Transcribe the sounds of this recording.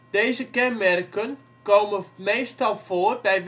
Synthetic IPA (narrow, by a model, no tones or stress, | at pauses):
d̥eːzəkɛnmɛrkən | koːməmeːstɑlˠfoərbɛjʋ